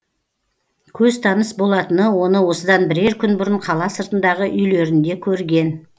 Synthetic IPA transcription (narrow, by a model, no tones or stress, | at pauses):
kʲʰɵzt̪ʰɑnəsbo̞lˠɑt̪ənəwo̞nəwo̞səd̪ɑnbɪɾe̞ɾkʲʰʏnbʊɾəɴqʰɑlˠɑsəɾt̪ənd̪ɑʁəʔʏjle̞ɾɪnd̪e̞kʲʰɵɾɡʲe̞n